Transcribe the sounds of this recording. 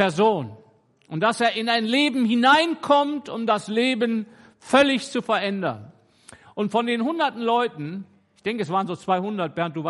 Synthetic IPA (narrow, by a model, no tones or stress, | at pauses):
ɛɐzoːn | ʔʊnt̚d̥aseːɐɪnaɪnleːbm̩hɪnaɪnkʰɔmtʊmdasleːbən | fœlɪçt͡sufɛɐʔɛndɐ̰n | ʔʊntfɔndeːnhʊndɐtn̩lɔʏtn̩ | ɪçd̥ɛŋkəɛs̬vaːʁənzoːt͡sv̥aɪhʊndɐt̚b̥ɛːʁntd̥uːva